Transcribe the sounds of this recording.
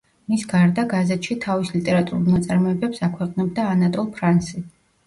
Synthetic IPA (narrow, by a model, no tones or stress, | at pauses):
misɡaɾd̪aɡazɛt̪ʃit̪ʰavislit̪ʼɛɾat̪ʼuɾulˠnat̪sʼaɾmɔɛbɛpsakʰwɛqʼnɛb̚d̪aːnat̪ʼɔlˠpʰɾansi